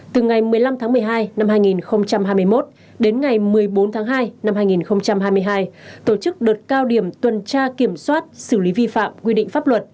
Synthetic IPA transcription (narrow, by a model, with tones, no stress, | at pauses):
t̪ɨ˨˩ŋa˨˩jmɨ˨˩əjla˧mt̪ʰaː˨˦ŋmɨ˨˩əjɦaː˧jna˧mhaː˧jŋi˨˩nxə˧wŋ͡mt͡ɕa˧mhaː˧jmɨ˧əjmo˦˥t̚ | ɗe˨˦nŋa˨˩jmɨ˨˩əjɓo˨˦nt̪ʰaː˨˦ŋɦaː˧jna˧mhaː˧jŋi˨˩nxə˧wŋ͡mt͡ɕa˧mhaː˧jmɨ˧əjɦaː˧jt̪o˧˩t͡ɕɨ˦˥k̚ɗəː˨˩t̚kaː˧wɗi˧˩əmt̪wə˨˩nt͡ɕaː˧ki˧˩əmswaː˦˥t̚sɨ˧˩li˨˦vi˧fa̰ː˧˨mkwi˧ɗḭ̟˧˨faː˦˥p̚lwə˨˩t̚